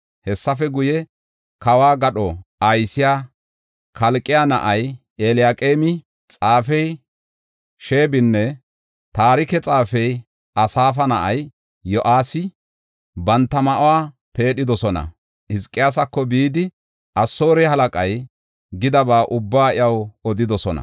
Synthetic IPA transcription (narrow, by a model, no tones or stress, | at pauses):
hɛsːɐfɛɡʊjɛ | kɐwaːɡɐɗɔɐjsɪjaː | kʰɐlkʼːɪjanɐ̰ʔɐj | elɪjaːkʼeːmɪ | t͡sʼaːfɛj | ʃe̞ːbɪnːɛ | t̪aːɾɪkɛt͡sʼaːfɛj | ʔɐsaːfɐnɐʔɐj | jɔʔaːsɪ | bɐnt̪ːɐmɐʔwaː | pe̞ːɗɪd̪ɔsɔnɐ̰ | ɪskʼːɪjas̬ɐkːɔbiːd̪ɪ | ʔɐsːo̞ːɾɛhɐlɐkʼɐj | ɡɪd̪ɐbaːʔʊbːaːɪɐwɔd̪ɪd̪ɔsɔnɐ̰